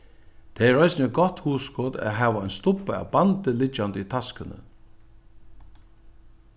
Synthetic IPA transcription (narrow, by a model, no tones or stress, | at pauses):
t̪ʰeɛɹaɪsnɪɛt̪̚ɡɔt̪huːskɔːd̪æ̰ɦæːʋaɔjnst̪ʊpəa̰wbant̪əlɪt͡ʃːand̪əit̪ʰaskənə̰